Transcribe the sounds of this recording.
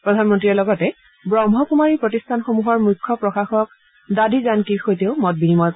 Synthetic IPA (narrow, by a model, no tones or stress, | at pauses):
pɹɔdʱanmɔntɹiɔlɔɡɔtɛ | bɹɔmɦɔkumaɹipɹɔtistʰanxomuɦɔɹmukʰːɔpɹɔxaxɔk | dadizankixojteʊmɔt̚binimɔj